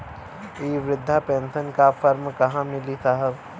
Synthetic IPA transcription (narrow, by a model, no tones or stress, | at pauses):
iːʋɾɪd̪ʱːapeːnsənkafʰɐɾmkɐɦãmɪlisaɦəb